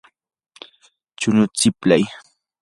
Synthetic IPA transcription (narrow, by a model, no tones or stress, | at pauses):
t͡ʃʊnʊt͡sɪpla̰j